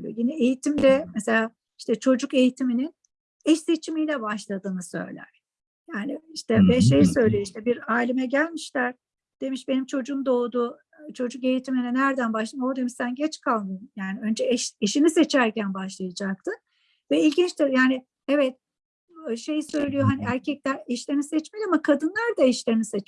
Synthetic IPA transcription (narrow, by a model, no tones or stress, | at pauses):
o̰jinɛejit̪ʰimd̪ɛmese̞lʲaː | iʃt̪ɛt͡ʃʰo̞d͡ʒuke̞jit̪ʰiminin | ɛʃse̞t͡ʃʰimijlʲɛbaʃlˠad̪ɯːnɯsø̞̰jlʲæ̰ɾ̥ | jaːniiʃt̪ʰɛbɛʃejsø̞jlʲejoiʃt̪ʰɛbiɾaːlʲimɛɟælʲmiʃlʲæɾ̥ | d̪̥e̞miʃbe̞nimt͡ʃʰo̞d͡ʒuːmd̪o̞ːd̪uː | t͡ʃʰo̞d͡ʒuk̚ɟe̞jit̪ʰiminɛnæɾd̪ænbaʃlˠɯmod̪e̞miʃsænɟɛt͡ʃkʰalˠmɯnjaːniø̞nd͡ʒɛɛʃeʃinise̞t͡ʃʰæɾcænbaʃlˠajad͡ʒak̚t̪ʰɯn | vɛilʲɟint͡ʃt̪ʰɛjaːnɪ | ɛvɛt̪̚ | ʃe̞jsø̞jlʲijo̞ɦaniæɾcʰɛclʲæɾɛʃlʲe̞ɾinisɛt͡ʃmelʲiamakʰad̪ɯnlˠaɾd̪aɛʃlʲeɾinisɛt͡ʃ